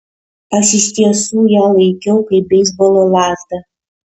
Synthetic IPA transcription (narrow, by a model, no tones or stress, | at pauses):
ɐʃɪʃʲt̪ʲiɛsuːjæːlˠɐɪkʲɛʊkɐɪp̚bʲɛɪzbolˠolˠɑːt̪ɐ